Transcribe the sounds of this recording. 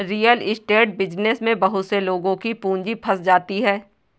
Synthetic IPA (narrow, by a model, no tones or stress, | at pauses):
ɾiːjəlɪsʈeːʈ̚bɪd͡ʒnɪsmẽbɐɦʊt̪seloːɡõkipũːɲd͡ʒipʰɐsd͡ʒaːt̪iɦɛː